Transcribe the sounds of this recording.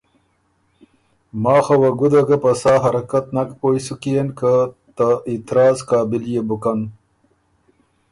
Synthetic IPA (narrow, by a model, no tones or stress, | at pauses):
mɑːxawaɡud̪aɡapɐsɑːɦɐɾɐkat̪nakpojsukienkat̪aɪt̪ɾɑːzkɑːbɪljebʊkan